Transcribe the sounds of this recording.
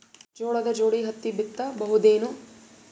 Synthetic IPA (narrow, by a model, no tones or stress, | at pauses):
d͡ʒoːɭɐd̪ɐd͡ʒoːɽiɦɐt̪ːibit̪ːɐbɐɦud̪eːnu